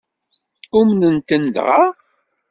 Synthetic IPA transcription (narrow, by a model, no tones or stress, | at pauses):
umnənt̪ənd̪ʁɑ